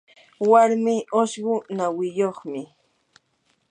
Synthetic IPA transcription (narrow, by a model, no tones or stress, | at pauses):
waɾmɪʔoʃɢʊnawɪjoχmɪ